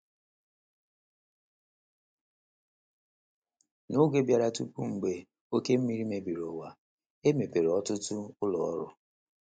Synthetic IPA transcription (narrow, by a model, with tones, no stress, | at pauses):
nʊ˦ɡe˦bja˨ɾa˨tu˦pu˦ŋ̩˨ɡ͡be˨ | o˦ke˦m̩˦mi˦ɾi˦me˨bi˨ɾo˨wa˨ | e˦me˨pe˨ɾɔ˦tʊ˦tʊ˦ʊ˦lɔ˨ɔ̰˦ɾʊ̰˨